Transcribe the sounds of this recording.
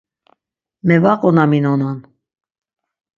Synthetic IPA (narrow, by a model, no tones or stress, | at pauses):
mɛvaqʼɔnaminɔnan